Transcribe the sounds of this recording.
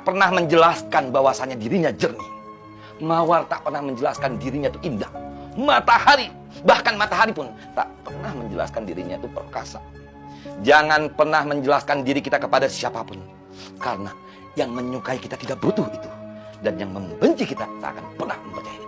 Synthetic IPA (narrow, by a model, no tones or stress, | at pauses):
aʔpərnahməɲd͡ʒəlaskanbawasaɲadiɾiɲad͡ʒərni | mawart̪aʔpərnahməɲd͡ʒəlaskandiɾiɲat̪uʔindaʔ̚mat̪ahaɾi | bahkanmat̪aɦaɾipʊn | t̪a̰ʔpərnahməɲd͡ʒəla̰skandiɾiɲait̪upərka̰sa̰ | d͡ʒaŋanpərnahməɲd͡ʒəlaskandiɾikit̪akəpadasiapapʊn | kaɾəna | jaŋməɲukaikit̪at̪idaʔ̚bəɾut̪ʊhit̪u̥ | danjaŋməmbəɲt͡ʃikit̪aki̥t̪a̰a̰kanpərnahməmpərt͡ʃai